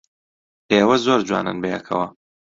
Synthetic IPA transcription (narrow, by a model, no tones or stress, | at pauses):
ʔeːwɐzoːɾd͡ʒwa̰ːnɨ̰nbejɛkʰɐ̰wɐ